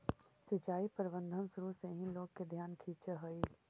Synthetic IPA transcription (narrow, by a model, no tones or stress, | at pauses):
sɪt͡ʃaːipəɾɪbə̃nd̪ʱənsʊɾuseɦĩloːɡ̚ked̪ʱjaːnkʰiːt͡ʃeɦoi